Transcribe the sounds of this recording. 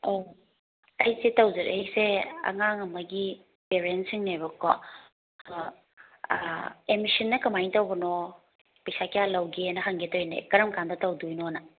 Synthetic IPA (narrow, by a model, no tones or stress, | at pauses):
o | ɐjsetɐwzɐɾʔḛjseɐ̰ŋaŋɐmɐɡi | peɾensiŋnebɐkʰɔ | emisinːɐkɐmajntɐwbɐnɔ | pɐjsakijalɐwɡenɐɦɐŋɡetojnḛkɐɾɐmkandɐtɐwdujnonɐ